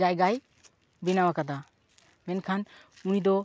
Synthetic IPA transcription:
ajɡaj | binawakad̪a | mɛnkʰan | unid̪ɔ

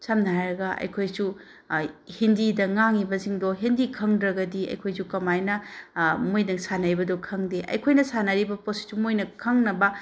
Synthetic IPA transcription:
samnaɾɐɡɐɐ̰jkʰojsu | hindidɐŋaŋibɐziŋdoɦindikʰɐŋdɾɐɡɐdiɐ̰jkʰojzukɐmajnɐmojdɐŋsanaɾjbɐdokʰɐŋdeʔɐ̰jkʰojnɐsanɐɾibɐposi̥timojnɐkʰɐŋnɐbɐ

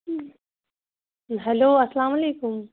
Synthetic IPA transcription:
ɦɐloːɐslaːmɐleːkʊm

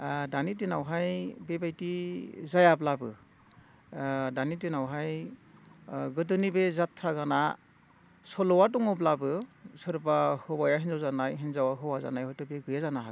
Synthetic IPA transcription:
danit̬inawɦajbebajtizajablabɯ̰ | danitinawɦaj | ɡɯdɯnibezatʰɾaɡana | sɔlɔwat̬uŋɔblabɯsɯɾbahɯbajaɦinzawzanajɦinzawaɦɯwaza̰najhɔjtɔbeɡɯjazanaɦa

